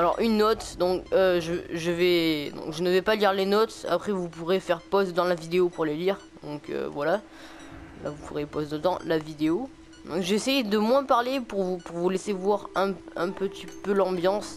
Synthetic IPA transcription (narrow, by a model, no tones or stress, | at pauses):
alɔ̰ʁʔynːɔt̪d̪ɔ̃kːʒəʒəvɛd̪ɔ̰̃kʒənəvɛpaliʁlenɔt̪a̰pχɛvupuʁefɛʁpɔst̪d̪ɑ̃lavid̪eopuʁleliʁ | d̪ɔ̰̃kø̰vwala | lʔa̰vupuʁepɔsd̪əd̪ɑ̃lavid̪eo | d̪ɔ̃kʒɛsɛjd̪əmwɛ̃paʁlepuʁvupuʁvulesevwaʁɛ̃ɛ̃pət̪ipølɑ̃bjɑ̃s